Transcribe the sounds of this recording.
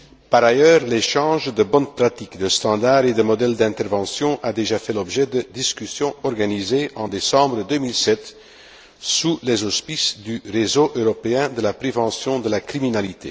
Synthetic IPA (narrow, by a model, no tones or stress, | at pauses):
paʁajœːʁleʃɑ̃ːʒd̪əbɔnpʁat̪ikd̪əst̪ɑ̃d̪aʁed̪əmɔd̪ɛld̪ɛ̃t̪ɛʁvɑ̃sjɔ̃ʔad̪eʒafɛlɔbʒɛd̪əd̪iskʲysjɔ̃ɔʁɡanizeɑ̃d̪esɑ̃bʁəd̪ømilsɛt̪ | sulɛzɔspisd̪yʁezoʔøʁɔpeɛ̃d̪əlapχevɑ̃sjɔ̃d̪əlakχiminalit̪e